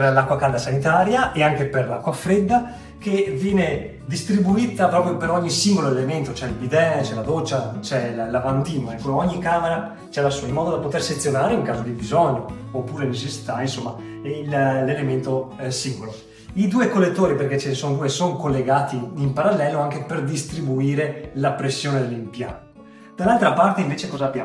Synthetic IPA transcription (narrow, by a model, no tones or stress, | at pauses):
lakːwakald̪asanit̪aːɾjaʔeaŋkeperla̰kːwafɾed̪ːa | kevjɛːne | d̪ist̪ɾibuiːt̪apɾɔːpɾjopeɾɔɲːisiŋɡoloelement̪ot͡ʃɛilbid̪ɛt͡ʃɛlad̪ot͡ʃːat͡ʃɛllavand̪iːnoɛkːoɔɲːikːaːmeɾa | t͡ʃɛlasuilmɔːd̪od̪apot̪erset̪sjonaːɾeuŋkaːzod̪ibizɔɲːoː | pːuːɾenet͡ʃesːi̥t̪ainsomːa | ɛillelement̪o | siŋɡolo | id̪uːekolːet̪ːoːɾiperket͡ʃesond̪uːesoŋkolːeɡaːt̪iːmpaɾalːɛːloaŋkeperd̪ist̪ɾibuiːɾelapɾesːjoːned̪elːimpja̰nt̪o | d̪̥alːalt̪ɾapart̪eiɱveːt͡ʃekɔːzabja